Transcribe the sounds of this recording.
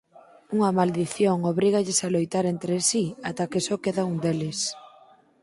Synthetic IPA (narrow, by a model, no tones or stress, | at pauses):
uŋɐmald̪iθjoŋoβɾiɣaʎesalojt̪aɾent̪ɾesiat̪akesɔkeðaund̪elɪs